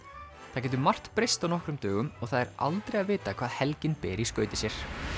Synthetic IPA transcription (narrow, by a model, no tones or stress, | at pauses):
θac̬ɛːt̪ʏmar̥t̪pɾɪjst̪awnɔhkɾʏmt̪œːɣʏmɔɣθaðɛɾa̰lt̪ɾejaðvɪːt̪akʰv̥aːðhɛlcɪnpɪːɾiskœːɥt̪ɪ̥sjɛɾ̥